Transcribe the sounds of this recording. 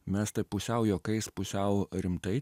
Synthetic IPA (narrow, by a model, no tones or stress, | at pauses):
mʲɛst̪ɐpʊsʲɛʊjoːkɐɪspʊsʲɛʊɾʲɪmt̪ɐɪ